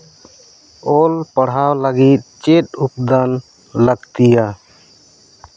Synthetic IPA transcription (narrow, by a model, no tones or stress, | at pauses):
ɔlpəɽ̤awləɡit̪̚ˀt͡ʃet̪̚up̚d̪an | ləɡt̪ija